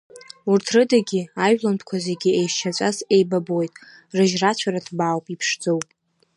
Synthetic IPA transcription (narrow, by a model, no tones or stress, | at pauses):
urtʰrɨdaɡʲiajᶣlanpʰkʷʰazeɡʲiejʃt͡ʃʰat͡ʃʷʼase̞jbabojtʼ | rɨʒrat͡ɕʷʰaɾatʰbaːwpʼipʰʂd͡zowpʼ